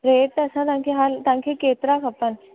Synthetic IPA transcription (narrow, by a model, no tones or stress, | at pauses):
ɾeʈ̪ːəsãt̪ãkʰeɦalt̪ãŋkʰeket̪ɾakapəɳ